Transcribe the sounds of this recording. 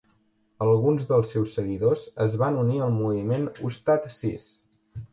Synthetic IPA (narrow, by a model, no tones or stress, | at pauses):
əlˠɣunzðəlˠsːɛwsːəɣiðozəzβanuniəlˠmuβimenṵst̪at̪sis